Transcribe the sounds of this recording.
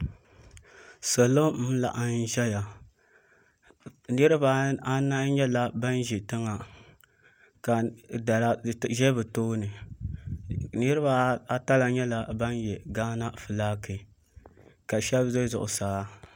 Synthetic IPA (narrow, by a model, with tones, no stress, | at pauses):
so˨lo˦la̰˨ʔa˦n˦ʒɛ˦ja˨ | nɨ˦ɾɨ˦ba˦a˦na˦ɲɛ˦la˨ba˦n˦ʒɛ˨tɨ˦ŋa˨ | ka˨da˨la˦ʒɛ˦bɨ˨toː˦nɨ˨ | nɨ˦ɾɨ˦ba˦a˦ta˦la˨ɲɛ˦la˨ba˦njɛ˨ɡaː˦na˦fɨ˨laː˦kɨ˨ | ka˨ʃɛ˦bzo˦zʊ̰˨ʔʊ̰˨saː˦